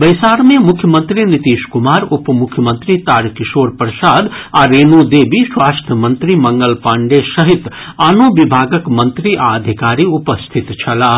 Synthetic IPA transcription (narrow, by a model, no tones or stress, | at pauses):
bɐjsaːɾmẽmʊkʰːjəmə̃nt̪ɾinit̪iːʃkumaːɾupmʊkʰːjəmə̃nt̪ɾit̪aːɾkiʃoːɾpɾəsaːd̪aːɾeːnod̪eːbiswaːsʈ̪əmənt̪ɾimɐ̃ŋɡəlpaːɳɖesəɦit̪aːnobibʱaːɡəkmə̃nt̪ɾiʔa̰əd̪ʱikaːɾiupəst̪ʰit̪t͡ʃʰɐlaː